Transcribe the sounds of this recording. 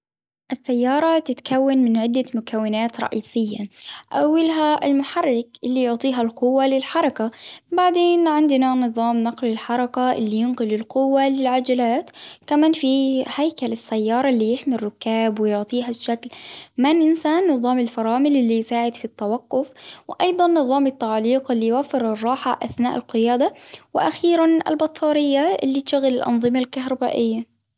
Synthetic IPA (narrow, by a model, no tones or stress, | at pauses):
ʔɪsːajːɑːɾˤɑt̪ɪt̪kawːanmɪnʕɪd̪ːamʊkawːɪnaːt̪ɾˤɑ̰ʔiːsɪjːa̰ʔawːalɦaɪ̰lmʊħɑrːɪkʔɪlːijʊʕt̪ˤiːɦalqʊwːalɪlħɑɾˤɑkabaʕd̪eːnʕɪnd̪nanɨðˤɑːmnɑqlɪlħɑɾˤɑkaʔɪ̰lːijʊnqʊlɪlqʊwːalɪlʕad͡ʒalaːt̪kamaːnfihajkalɪsːajːɑːɾˤɑʔlːijɪħmɪrˤːʊkːaːbwɪjʊʕt̪ˤiːɦaʃːaklmanʔɪnsaːnːɨðˤɑːmɪlfɑɾˤɑːmɪlʔɪlːijsaːʕɪd̪fit̪ːawaqːʊfwʔɑjd̪ˤɑnːɨðˤɑːmɪt̪ːaʕaːliːqɪlːijwafːɪɾɨrˤːɑːħa̰ʔa̰θnaːʔɪlqɪjaːd̪awɪʔa̰xiːɾanʔɪ̰lbɑt̪ˤʰːɑːɾɪjːaʔɪ̰lːit̪ʃaɣalɪlʔɑ̰nðˤɨmalkaɦɾˤɑba̰ːʔɪjːa